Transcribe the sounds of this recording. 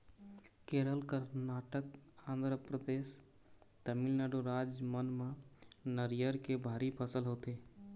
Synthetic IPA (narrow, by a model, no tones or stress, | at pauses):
keɾəlkəɾnaʈək̚ãnd̪ɾəpɾəd̪es | t̪əmilnaɖuɾad͡ʒmənmenəɾijəɾkebʱaɾipʰəsəlɦot̪e